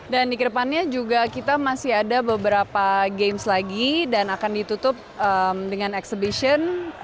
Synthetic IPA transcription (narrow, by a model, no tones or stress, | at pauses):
dandikəɾəpanɲad͡ʒuɡakit̪amasiɦadabəbəɾapaɡemslaɡidanakandit̪ut̪ʊp̚əmdəŋanɛksəbiʃən